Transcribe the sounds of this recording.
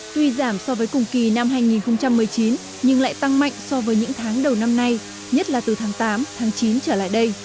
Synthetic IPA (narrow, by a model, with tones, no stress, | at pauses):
t̪wi˧zaː˧˩msɔ˧vəː˨˦jkʊ˨˩ŋ͡mki˨˩na˧mɦaː˧jŋi˨˩nxə˧wŋ͡mt͡ɕa˧mːɨ˨˩əjt͡ɕi˨˦n | ɲɨ˧ŋla̰ː˧˨jt̪a˧ŋma̰˧˨jŋ̟sɔ˧vəː˨˦jɲɨ̰˧˥ŋt̪ʰaː˨˦ŋɗə˨˩wna˧mna˧j | ɲə˦˥t̚laː˨˩t̪ɨ˨˩t̪ʰaː˨˦ŋt̪aː˨˦mt̪ʰaː˨˦ŋt͡ɕi˨˦nt͡ɕəː˧˩la̰ː˧˨jɗə˧j